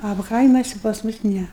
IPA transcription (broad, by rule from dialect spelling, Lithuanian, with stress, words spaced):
ɐ ˈkɐɪmɐsʲɪ pɐs ˈmʊs ˈnʲɛ